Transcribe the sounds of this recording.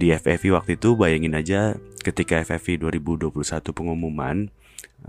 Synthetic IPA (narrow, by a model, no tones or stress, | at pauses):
diɛfɛfiwak̚t̪uit̪ubajaŋɪnad͡ʒakət̪ikaɛfɛfiduaɾibuduapulusat̪upəŋumuma̰n